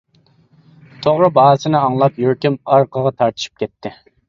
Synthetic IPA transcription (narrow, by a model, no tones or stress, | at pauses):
t̪ʰoʁɾɨbɑːsɨnɪɑŋlˠɑpjøɾkʲɪmɑɾqʰəʁɑt̪ʰɑɾt̪ʰɨ̥ʃy̥p̚kʲɛt̪ʰːɪ